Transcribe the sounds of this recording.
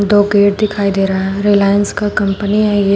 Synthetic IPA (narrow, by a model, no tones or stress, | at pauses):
d̪oːɡeːʈd̪ɪkʰaːid̪eːɾaɦɛɾelaːjənskakɐ̃mpəniɦɛ̃je